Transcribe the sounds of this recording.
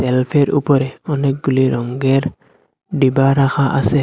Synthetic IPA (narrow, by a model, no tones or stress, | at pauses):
sɛlpʰeɾṵpɔɾɛɔnɛk̚ɡuliɾɔŋɡeɾ | ɖibaɾaxaʔa̰sɛ